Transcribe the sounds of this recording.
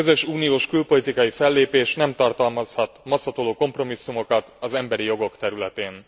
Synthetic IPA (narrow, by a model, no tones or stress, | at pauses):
øzø̞ʃuːnijoːʃkylpo̞lit̪ikɒjifɛlːeːpeːʃnɛmt̪ɒrt̪ɒlmɒshɒt̪mɒsːɒt̪oloːko̞mpro̞misːumo̞kɒt̪ɒzɛmbɛɾijo̞ɡo̞kt̪ɛɾylɛt̪eːn